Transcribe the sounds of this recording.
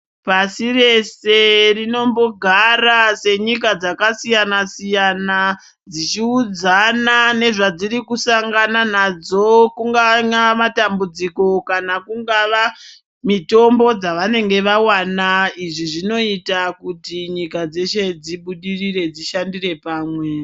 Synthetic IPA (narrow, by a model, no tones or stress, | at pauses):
pasire̞se̞rino̞mbo̞ɡʱarase̞ɲik̬ad͡zakasijanasijana | d͡zit͡ʃiud͡zanane̞ʐad͡ziɾikusaŋɡananad͡zo̞kuŋɡaɲamatambud͡ziko̞kanakuŋɡaʋa | mito̞mbo̞d͡zaʋane̞ŋɡe̞ʋawanaiʐiʐino̞itakutiɲikad͡ze̞ʃe̞d͡ziɓuɗiriɾe̞d͡ziʃandire̞paːmwe̞